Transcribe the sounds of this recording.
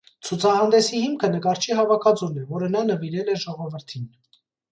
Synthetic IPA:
t͡sʰut͡sʰɑhɑnd̪ɛsihimkʰənəkɑɾt͡ʃʰiɦɑvɑkʰɑd͡zunɛvɔɾənɑnəviɾɛlɛʒɔʁɔvəɾt̪ʰin

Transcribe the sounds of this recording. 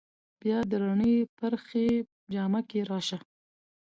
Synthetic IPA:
b̥jɑd̪əɾaɳəpaɾxe | d͡ʒɑmakeɾɑʃa

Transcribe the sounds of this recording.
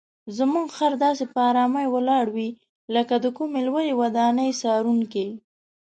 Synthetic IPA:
zəmuŋɡxaɾd̪ɑsepəɑɾɑmajwəlɑɽwi | ləkad̪əkumelwəjewad̪ɑnəjsɑɾuŋki

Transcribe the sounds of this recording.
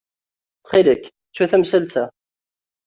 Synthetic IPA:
χiləkː | t͡sːuθæmsælt͡sæ

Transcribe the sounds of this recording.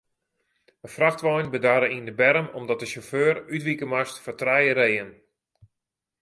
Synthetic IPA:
əfraxtʋɔjnbədaːɾəindəbɛɾəmɔmdɔt̚dəʃoføːrytʋikəmastfɔrtrɛjəɾejən

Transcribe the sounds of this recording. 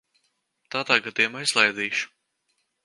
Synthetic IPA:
t̪aːd̪aːɡad̪ejumaːizlˠajd̪iːʃu̥

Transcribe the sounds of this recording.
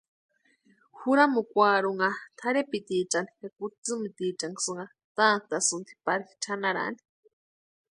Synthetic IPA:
huɾamukʷaɾuŋat̪ʰaɾepit̪it͡ʃanikakut͡sɨmɨt̪it͡ʃaŋɡsɨŋa | t̪ant̪asɨnt̪ʰi̥paɾi̥t͡ʃʰanaɾa̰ʔni̥

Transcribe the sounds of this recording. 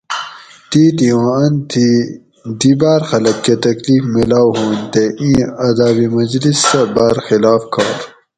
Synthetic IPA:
t̪iːt̪iwãɐnt̪ʰi | d̪iːbaːɾxɐlɐkːet̪ɐkliːfmilaːwɦuːnt̪eʔĩːɐd̪aːbimɐd͡ʑlisːɐbaːɾxilaːfkɑːɾ

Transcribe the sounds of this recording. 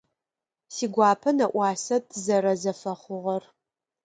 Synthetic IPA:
siːɡʷɑːpʰɐnɐʔʷɑːsɐtʰɨzɐɾɐzɐfɐχʷʊʁɐr

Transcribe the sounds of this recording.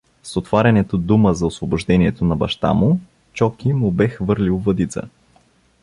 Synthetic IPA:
sot̪vaɾʲɐnɛt̪od̪uməzɐʊsvobʊʒd̪ɛnʲiɛt̪onɐbɐ̰ʃt̪a̰mʊ | t͡ʃɔkimʊbɛxvɤɾlʲilˠvɐd̪it̪sə̰

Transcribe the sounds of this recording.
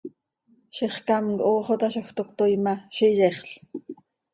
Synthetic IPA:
ʃiχkamkʔoːχot̪aʃoxt̪okt̪ojmaʃijeχɬ

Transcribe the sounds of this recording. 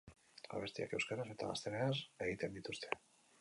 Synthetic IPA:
a̰β̞e̞st̪ia̰ke̞wskaɾase̞t̪a̰ɣa̰st̪e̞nease̞ɣit̪e̞nd̪it̪ust̪ʰe̞

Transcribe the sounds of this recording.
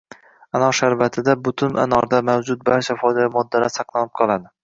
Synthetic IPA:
anɒʃaɾvat̪ʰɪd̪abʊt̪ʰʊna̰nɒɾd̪amawd͡ʒʊt̪̚baɾt͡ʃʰafɒjd̪ajamɒd̪ːaɾasɑqlˠanɪp̚qʰɒlˠad̪ɪ

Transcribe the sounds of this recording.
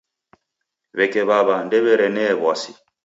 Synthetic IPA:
βɛkɛβaβandɛβɛɾɛnɛːβwasi

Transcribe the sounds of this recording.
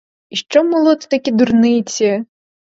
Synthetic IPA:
iʃt͡ʃɔmɔlˠɔt̪t̪ɐkʲid̪urnɪt͡sʲi

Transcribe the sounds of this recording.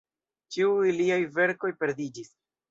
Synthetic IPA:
t͡ʃiuiliajve̞ɾko̞jpe̞ɾdid͡ʒis

